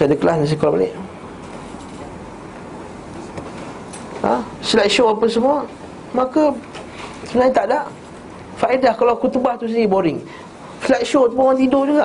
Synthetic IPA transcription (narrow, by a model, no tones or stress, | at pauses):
sadəkəlasnas̬ikɔlba̰lḛʔ | a | slat̚ʃoapas̬əmua | maka | sunaɲat̪aʔdaʔ | faʔidahkalawkut̪ubaht̪us̬iniboɾɪŋ | slak̪̚ʃot̪umaŋant̪indohduɡa